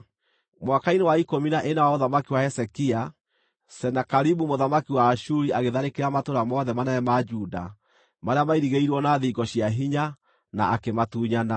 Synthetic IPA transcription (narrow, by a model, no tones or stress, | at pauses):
mwakainewaikominaʔenawaoðamakiwaɛsɛkia | sɛnakaɾibumoðamakiwaːʃuɾiaɣeðaɾekeɾamatoɾamɔðɛmanaɛmad͡ʒuːda | maɾeamaiɾiɣeiɾwɔnaðiɡɔɕijaɦiɲa | naakematuːɲana